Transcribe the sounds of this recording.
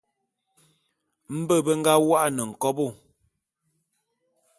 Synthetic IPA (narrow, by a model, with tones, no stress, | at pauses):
m̩˦bə˦˨bə˦ŋ̩˦ɡa˦wa˦ʔa˨nə˨ŋ̩˨kɔ˦bo˦˨